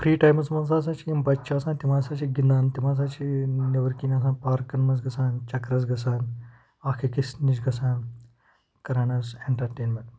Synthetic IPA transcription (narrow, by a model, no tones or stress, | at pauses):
pʰɾiːʈaːjmɐsmɐnzaːs̬ãːt͡ʃʰiimbɐtːt͡ʃʰaːsãːnt̪imaːsaːt͡ʃʰiɡind̪aːnt̪imaːs̬aːt͡ʃʰineʋɐɾkiːnʲaːs̬ãːpaːɾkːɐnmɐs̬ɡɐsaːnt͡ʃɐkɾɐs̬ɡɐsaːn | aːkʰikisniʃɡɐsʰaːn | kɐɾaːnɐseɳʈɐɾʈeːnmẽɳʈ